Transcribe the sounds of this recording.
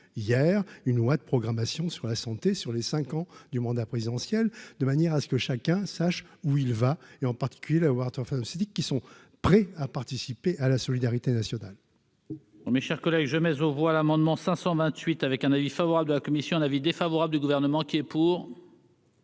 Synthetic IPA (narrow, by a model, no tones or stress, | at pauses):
ijɛʁynlwad̪əpχɔɡʁamasjɔ̃syʁlasɑ̃t̪esyʁlesɛ̃kɑ̃d̪ymɑ̃d̪apχezid̪ɑ̃sjɛld̪əmanjɛʁasə̥kəʃakʲɛ̃saʃuilvaeɑ̃paʁt̪i̥kʲyljelawaʁt̪ɛʁfamset̪ikːisɔ̃ | pχɛapaʁt̪isipeʔalasɔlid̪aʁit̪enasjɔnal | meʃɛʁkɔlɛɡʒəmɛzovwalamɑ̃d̪mɑ̃sɛ̃sɑ̃vɛ̃t̪ɥit̪avɛkɛ̃navifavɔʁabld̪əlakɔmisjɔ̃ɛ̃navid̪efavɔʁabləd̪yɡuvɛʁnəmɑ̃kʲiɛpuːʁ